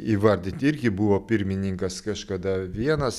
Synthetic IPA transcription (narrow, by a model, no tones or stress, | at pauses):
iʋɐɾʲd̪ʲɪnt̪ʲɪɾʲɡʲɪbʊʋoːpʲɪɾʲmʲɪnʲɪŋkɐskɐʃkɐd̪ɐʋʲiɛnɐs